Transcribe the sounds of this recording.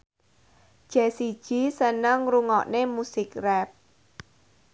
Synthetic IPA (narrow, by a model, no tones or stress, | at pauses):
ʒ̥ɛ̤sid̥ʒ̥i̤sənəŋɾuŋɔʔnemusɪkrɛp̚